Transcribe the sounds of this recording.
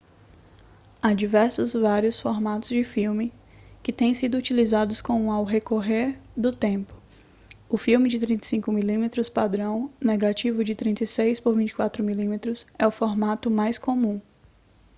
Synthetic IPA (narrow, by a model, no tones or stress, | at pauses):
ad͡ʒivɛɾsʊzvaɾjʊsfɔɾmat̪ʊzd͡ʒɪfiwmɪ | kɪt̪ẽj̃sid̪ʊut͡ʃilizad̪ʊskõw̃awɦekoɦeɾd̪ʊt̪ẽmpʊ̥ | ʊfiwmɪd͡ʒɪt̪ɾĩnt̪esĩŋkʊmilĩmet̪ɾʊspad̪ɾɐ̃w̃neɡat͡ʃivʊd͡ʒɪt̪ɾĩnt̪ɐjsejspoɾvĩnt͡ʃɪ̥kwat̪ɾʊmilĩmet̪ɾʊsɛʊfoɾmat̪ʊmajskomũ